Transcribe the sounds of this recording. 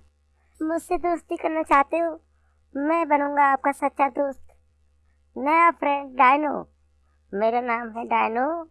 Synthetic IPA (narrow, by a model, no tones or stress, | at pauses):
mʊd͡ʒsed̪oːst̪ikɐɾnat͡ʃaːɦt̪eoː | mɛ̃ːbɐnũːŋɡaːp̚kasɐt̪ːʃad̪ʊst̪ | nɐjapʰɾɛ̃ːɳɖ̚ɖaːjno̰ː | meːɾanaːmɦɛ̃ɖaːɪnoː